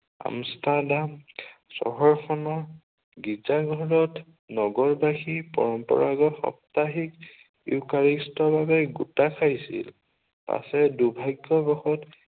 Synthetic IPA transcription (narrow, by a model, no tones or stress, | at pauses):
a̰mstadamsɔ̰ɦɔɹxʰɔnɔɹ | ɡid͡ʒaɡʱɔɹɔt | nɔɡɔɹbaxipɔ̰ɹɔmpɔ̰ɹaɡɔxɔ̰p̚taɦik | ḭʊkaɹistɔbabɛɡutakʰajsḭl | pa̰sɛdubʱajɡːɔbɔxɔt